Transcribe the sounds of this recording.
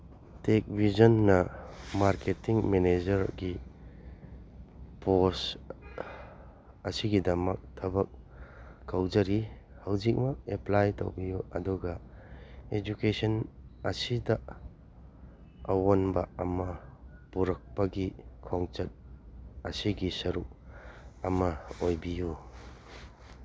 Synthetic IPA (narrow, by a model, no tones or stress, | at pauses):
tek̚bʱizɐnːɐmaɾketiŋmened͡ʒɐɾɡi | pos | ɐsiɡidɐmɐk̚tʰɐbɐk̚ː | ɐwd͡ʒɐɾi | hɐwzik̚mɐk̚eplajto̰wbijuɐduɡɐ | ed͡ʒukesɐnɐsidɐ | ɐwonbɐ̰ɐmɐpuɾɐk̚pɐɡikʰoŋt͡ʃɐt̚ɐsiɡisɐɾuk̚ɐmɐojbiju